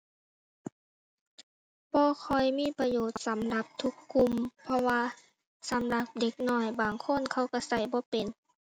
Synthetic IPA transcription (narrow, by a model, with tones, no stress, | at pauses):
bɔː˧kʰɔ˧˩jmiː˧˥˨pa˧joː˨˩˦t̪̚sa˨˦mla˧˦p̚t̪ʰu˧˦˥kʰːu˧˨mpʰɔ˧waː˧ | sa˨˦mla˧˦p̚de˧˦k̚nɔː˧˩jbaː˨˩ŋkʰo˧˥˨nkʰa˧˩wka˧˩sa˧˩jbɔː˧˦pe˨n